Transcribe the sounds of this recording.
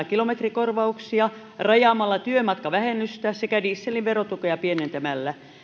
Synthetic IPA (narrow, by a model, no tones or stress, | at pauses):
kilomet̪rikorʋɑuksiɑ | rɑjɑːmɑlːɑt̪yømɑt̪kɑʋæhenːyst̪æsekædiisːelːiʋʋerot̪ukojɑpienent̪æmælːæ